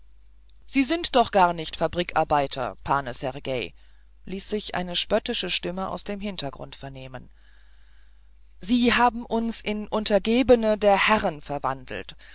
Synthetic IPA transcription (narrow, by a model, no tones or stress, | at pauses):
z̥iːzɪntd̥ɔχɡ̥aɐnɪçtfabʁiːkʔa̰ɐbaɪtʰɐ̰pʰaːnəsɛʁɡeɪ | liːsz̥ɪçʔa̰ɪnəʃpœtɪʃəʃtɪməʔa̰ʊsd̥eːmɦɪntɐɡʁʊ̰ntfɛɐneːmən | ziːɦaːbm̩ʔʊnsɪnʔʊntɐɡeːbənədeːɐhɛʁənfɛɐva̰ndl̩t